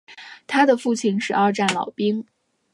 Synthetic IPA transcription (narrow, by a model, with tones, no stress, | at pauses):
t̪ʰa˥d̪ə˨fu˥˩t͡ɕʰi˧˥ŋʂɻ̩˨˩ɑ˥˧ʊʈ͡ʂa˥˩nlɑ̰˨˩ʊpi˥ŋ